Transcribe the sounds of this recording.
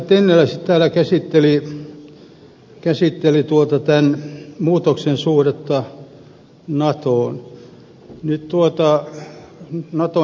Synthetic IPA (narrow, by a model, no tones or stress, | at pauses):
t̪enːelæsit̪t̪æːlækæsit̪ːeli | kæsit̪ːelit̪uot̪ɑt̪ænmuːt̪oksensuhret̪ːɑ | nɑt̪oːn | nytt̪uot̪ɑ | nɑt̪o